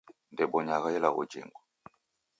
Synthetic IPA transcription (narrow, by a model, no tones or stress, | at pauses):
ndɛɓɔɲaɣajɛlaɣṵd͡ʒḭŋɡɔ